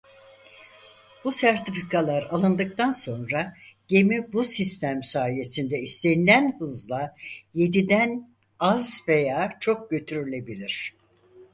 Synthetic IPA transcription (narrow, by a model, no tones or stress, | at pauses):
b̥usæɾt̪ʰifikʰalˠaɾalˠɯnd̪ɯk̚t̪anso̞nɾaɟe̞mibusist̪ʰæmsaːije̞sind̪ɛist̪ʰe̞nilʲænhɯzlˠaje̞d̪id̪æn | azvejaːt͡ʃʰo̞k̚ɟø̞t̪ʰyɾylʲe̞bilʲiɾ̝̥